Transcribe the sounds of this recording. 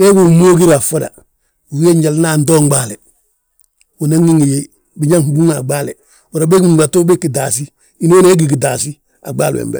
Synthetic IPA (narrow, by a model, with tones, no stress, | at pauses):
e˦ɡu˨moː˦ɡi˦ɾa˨fo˦da̰˨ | u˨˦e˦ɲd͡ʒa˨lna˦˨ndoː˦ŋɡ͡ba˦le˨ | u˨na˦ŋi˦ŋi˨je˦ | bi˨ɲa˦ŋhbu˦ŋa˨ɡ͡baː˦le˨ | u˨ɾa˨be˦ɡu˦ŋ˨ba˨to˦be˦ki˨da˨si˦ | i˨no˦ne˦ɡi˨ɡi˨da˨si˦ | a̰˨ɡ͡ba̰ː˦lwḛ˨mbḛ˨